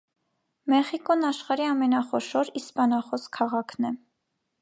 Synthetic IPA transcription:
mɛχikɔnɑʃχɑɾiɑmɛnɑχɔʃɔɾispɑnɑχɔskʰɑʁɑkʰnɛ

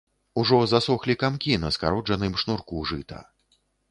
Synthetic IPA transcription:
uʐɔzasɔxlʲikamkʲinɐska̰ɾɔd͡ʐɐnɨmʂnurkuʐɨt̪ɐ̰

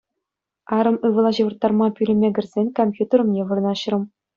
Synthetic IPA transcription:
ɑɾɤ̆mɯʋɤ̆lˠɑʑɤ̆ʋɤ̆rt̪ːɑrmɑpʲylʲɘ̆mʲeɡʲɘ̆rʲzʲenʲkomʲpʲjut̪ʲĕrɤ̆mnʲeʋɯrɤ̆nɑɕ̆rɤ̆m

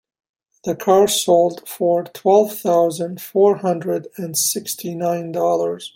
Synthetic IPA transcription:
ðəkʰɑɹsoʊlˠdfəɹtʰw̥ɛlˠv̥θaʊzə̃ndfɔɹhʌ̃ndɹədɨ̃nsɪkstʰinãɪ̃ndɔlˠə˞z̥

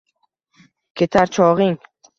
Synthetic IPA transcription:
kʲʰet̪ʰaɾt͡ʃʰɒʁɪŋ

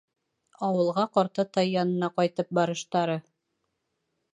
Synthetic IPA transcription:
ɑwɤ̆lˠʁɑqɒɾt̪ɤt̪ɑjːɑnɤ̆nɑqɑjt̪ɤp̚bɑɾɤ̆ʃt̪ɑɾɤ

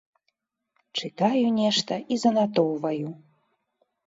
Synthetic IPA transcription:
t͡ʂɨt̪ajunʲɛʂt̪ɐʔizɐnat̪owvɐju

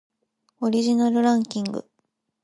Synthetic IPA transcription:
o̞ɾʲiʑinaɾɯ̟ɾãŋkʲĩŋɡɯ̟̰

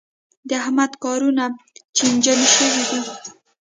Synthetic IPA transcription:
d̪əahmad̪kɑɾunat͡ʃend͡ʒanʃəwid̪i

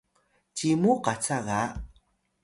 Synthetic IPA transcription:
cimuqat͡saɣa

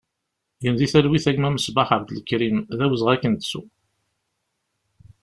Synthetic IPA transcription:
jənðiθælwiθæɡmæməsbaħəbd̪lkːɾimðæwəzʁækːənt̪sṵ

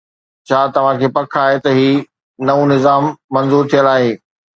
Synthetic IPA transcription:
t͡ɕʰaːt̪ɐʋ̤ãkʰeːpɐkʰaːɦet̪ɐɦiː | nɐũnɪzaːmːɐ̃nzuːɾt̪ʰijəlaːɦeː

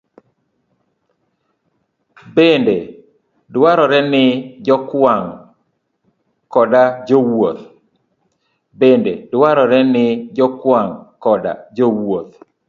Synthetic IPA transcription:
bende | dwaɾɔɾɛnɪd͡ʒɔkwaŋ | kɔdad͡ʒowot̪ | bendedwaɾɔɾɛnɪd͡ʒɔkwaŋkɔda̰d͡ʒowot̪̚

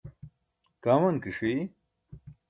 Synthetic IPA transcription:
kaːmɐnkiʂwi

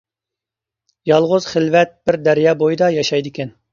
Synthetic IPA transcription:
jɑlˠʁʊz̥χəlvɛt̪̚b̥ɪɾd̪æɾjɑːbojɨd̪ɑjɑʃɑjd̪ɪkʲɛn

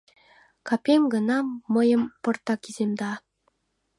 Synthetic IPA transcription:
kɑpʲeŋɡɤ̆nɑːɤ̆jɤ̆mpɤ̆rt̪ɑkizʲemd̪ɑ

